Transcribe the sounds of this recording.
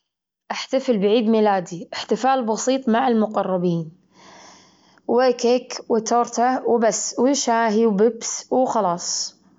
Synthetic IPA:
ʔaħt̪afɪlbɪʕiːd̪milaːd̪iʔɪħt̪ɪfaːlbɑsiːt̪ˤmaʕɪlmʊqɑrˤːɑbiːn | wekekwɪt̪oːɾt̪awbasːwɪʃaːɦiwbɪbswxɑlɑːsˤ

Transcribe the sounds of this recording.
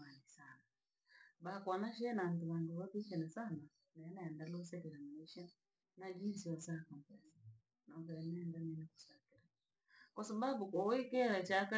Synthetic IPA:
anisana | bakwanaʃ̬ɛnam̩tuβaŋɡuwakiʃɛnasana | nanaɛndalɔs̬ɛkɛɾaminiʃa | nad͡ʒinsiwasakɔmpɛsi | naɡɛɾɛnaːndanɛniku̥sakiɾa | kwasababukɔikɛɾɛt͡ʃaka

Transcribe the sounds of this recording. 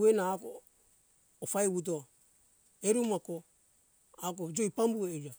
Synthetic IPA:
uenaːko̰ː | fajwut̬o | eɾumako | ak̬od͡ʒojpambuejɾa

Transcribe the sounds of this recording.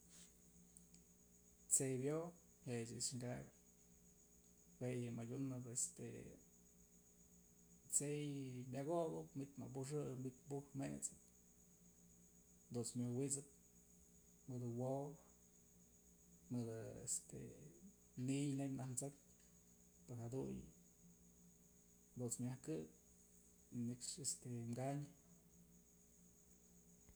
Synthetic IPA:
t͡sejbjo | het͡ʃɨsŋɡak | wejɨmajʲunɨpest̪ḛ | t͡sejbʲaɣobɨpmit̪ʲma̰p̬uʂ̬ɨmbik̪̚puhmḛt͡sɨp̚ | d̪unt͡smʲjowit͡sɨp̪̚ | mɨd̪ɨwow | mɨd̪ɨḛst̪e | nijnekʲnahnt͡sɨk̚ | peɾhad̪uj | d̪unt͡smʲahkɨk̚ | nɨkʂest̪emɡaɲ

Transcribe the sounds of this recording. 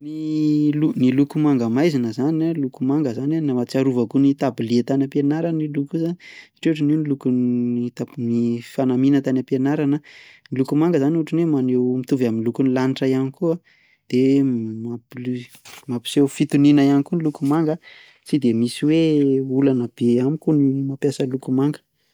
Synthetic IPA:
nilunilukumaŋɡəmajzinəzanalukumaŋɡəzananamat͡siaɾuvakunit̪abiliet̪anʲapenaɾanilukuzanisḁʈ͡ʂeuʈ͡ʂuninilukunit̪anifanaminət̪anʲapenaɾanənilukumaŋɡəzaniuʈ͡ʂunwemanewmit̪uvaminlukunilaniʈ͡ʂajanikua | d̪̥emapil | mapi̥sewfit̪uninəjanikunlukumaŋɡa | t͡sid̪emisiweulanəb̥eamikunimapjasəlukumaŋɡə̥

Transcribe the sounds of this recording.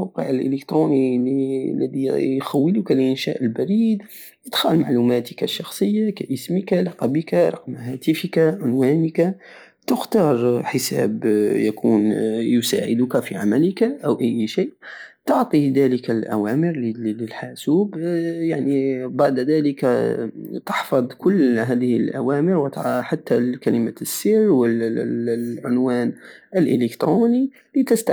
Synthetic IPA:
wqəʕəlʔə̰ləkt̪ɾunililːəd̪ijxæwːəlukalʔənʃæ̰ʔəlbæɾiːd̪ | jət̪xɑlmaʕlumæt̪əkaʃːɑxsˤəjːakæʔəsməkalɑqɑbəkaɾˤɑ̰qmhæt̪əfəkaʕʊnwænəka | t̪əxt̪ɑɾˤħəsæ̰bjækunjʊsa̰ʕə̰d̪ʊkæfiʕamæləkaʔawʔæjːʃiːʔt̪ʊʕt̪ˤid̪æləkalʔæ̰wæːmɪɾlɪlħaːsuːbjaʕnibaʕd̪ðæːləkat̪ɑħfɑd̪ˤkʊlːɦæːðəhɪlʔæwæːmɪɾwt̪ħat̪ːalkæləmasːiːɾwəl | ʕʊnwæːnʔəlʔɪ̰lɪkt̪ɾuːni | lit̪əst̪a

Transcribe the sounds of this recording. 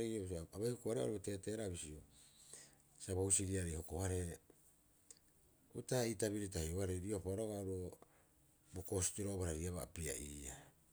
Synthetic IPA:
ejoaβajhokoaɾea̰o̰ɾote̞te̞ɾaβisio | saβohusiɾiaɾejho̞kohaɾe | utaitaβiɾit̬ahioaɾeɾiopaɾoɡaoɾo | boko̞si̥tiɾobaɾaɾiaβaapia̰ʔiːa

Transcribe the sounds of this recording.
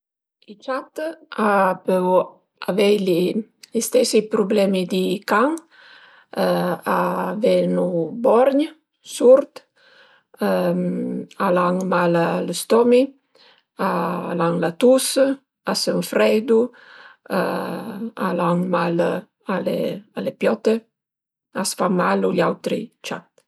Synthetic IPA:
it͡ʃat̪apə | avɛjlilist̪ɛsipɾublɛmid̪ikaŋ | avɛnubɔɾɲə | suɾt̪ | alaŋmalaləst̪ɔmi | alaŋlat̪us | asəɱfɾɛjd̪u | a | a̰laŋmal | alḛalepjɔt̪e | asfamaluʎawt̪ɾḭt͡ʃa

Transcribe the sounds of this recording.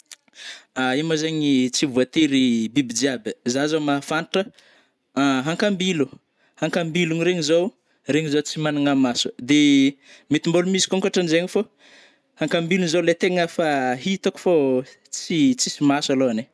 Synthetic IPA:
aimazeɲit͡sivuat̪iɾibibid͡ʒiabizazomafanʈ͡ʂə | ɦaŋkambilu | haŋkambiluɲiɾeɲizo | ɾeɲizot͡simanaŋamasu̥d̪e | mit̪imbolumizi̥kuŋkaʈ͡ʂanizeɲifo | haŋkambilunizowlet̪eŋəfaɦit̪aku̥fo | t͡sit͡sisimasaloane

